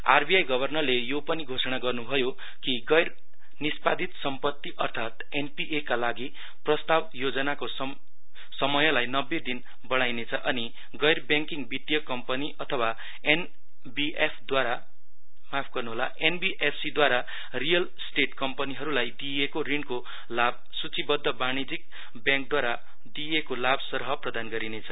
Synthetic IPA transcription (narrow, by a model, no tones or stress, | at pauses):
a̰rbiajɡʌbʱʌrnʌrlejopʌniɡʱosʌɽ̃aɡʌrnubʱʌjo | kiɡʌjr | nispad̪ʱit̪sʌmpʌt̪ːiʔʌrt̪ʰat̪ | enpiʔekalaɡi | prʌst̪abjod͡zʌnakos | sʌmʌjʌlajnʌbːed̪in | bʌɽ̃ajnet͡sʰʌʔʌni | ɡʌjrbjaŋkiŋbiʈːijʌkːʌmpʌniʔʌt̪ʰʌwa | en | biʔepʰd̪waɾa | mapʰɡʌrnuɦolaʔenbiʔepʰsid̪waɾa | rijʌlsʈeʈkʌmpʌniɦʌɾulajd̪ijekorinko | lab̚ | sut͡sibʌd̪ːʌbañid͡zik̚ | bjãŋk̚d̪waɾa | d̪ijekolabsʌrɦʌprʌd̪anɡʌɾinet͡sʰʌ